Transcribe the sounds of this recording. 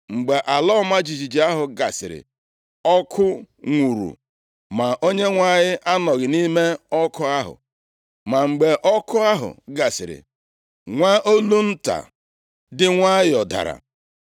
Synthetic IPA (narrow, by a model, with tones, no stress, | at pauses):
ŋ͡m̩˨ɡ͡be˨ʔa˨lɔ˦ma˦d͡ʒi˨d͡ʒi˨d͡ʒi˨a˦ɦʊ˨ɡa˨sɪ˨ɾɪ̰˨ | ɔ˦kʰʊ˦ | ŋʷu˨ɾṵ˨ | ma˨ʔo˦ɲe˦ŋʷa˦ɲɪ˦ʔa˦nɔ˨ɣɪ˨ni˦me˦ɔ˦kʊ˦a˦ɦʊ̰˨ | ma˨ŋ͡m̩˨ɡ͡be˨ʔɔ˦kʊ˦a˦ɦʊ̰˨ɡa˨sɪ˨ɾɪ̰˨ | ŋʷa˦ʔo˦lu˦n̩˦ta̰˨ | dɪ˦ŋʷa˦ɪ˦ɔ˨da̰˨ɾa̰˨